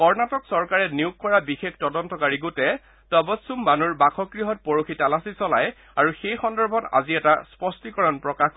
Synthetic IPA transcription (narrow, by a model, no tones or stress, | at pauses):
kɔɹnatɔksɔɹkaɹɛniʊkːɔɹabixektɔdɔntɔkaɹiɡutɛ | tɔbɔtsumːanuɹbakʰɔkɹiɦɔt̚poɹoxʰitalasisɔla̰j | aɹuxejxɔndɔɹbʱɔta̰ziɛtaspɔstikɔɹɔnpɹɔkax